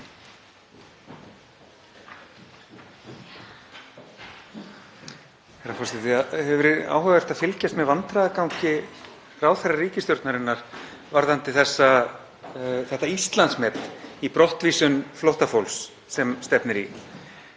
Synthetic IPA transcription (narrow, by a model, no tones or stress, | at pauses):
ɛrafɔsɪt̪ɪahɛvʏɾɪða̰ːwɦœɣɛst̪aðfɪlcast̪mɛðvant̪ɾaðakawɲcɪ | raːwθɛrːariːcɪst̪jɔwɾt̪naɾɪnːaɾ̥ | vaɾðant̪ɪθɛsːa | θɛht̪aist̪lansmɛt̪nipɾɔht̪viːsʏnflɔht̪afowls | sɛmst̪ɛpnɪɾḭ